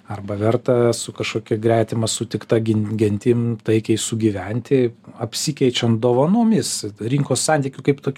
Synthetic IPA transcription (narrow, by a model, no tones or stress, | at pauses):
ɐrbɐʋʲɛrt̪ɐsʊkɐʃkoːkʲɪɡɾʲæːt̪ʲɪmɐsʊt̪ʲɪkt̪ɐɡʲɪnʲɡʲɛnʲt̪ʲɪmt̪ɐɪkʲɛɪsʊɡʲiːʋʲɛnʲt̪ʲɪɐpʲsʲikʲɛɪt͡ʃʲɛnd̪oːʋɐnoːmʲɪsɾʲiŋkoːssɑnʲt̪ʲikʲʊkɐɪpt̪oːkʲ